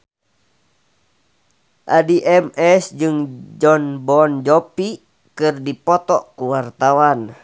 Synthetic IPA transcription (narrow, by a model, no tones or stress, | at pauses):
ʔadiʔɛmɛsd͡ʒɨŋd͡ʒɔnbɔnd͡ʒɔpi | kɨrdipɔt̪ɔkuwart̪awan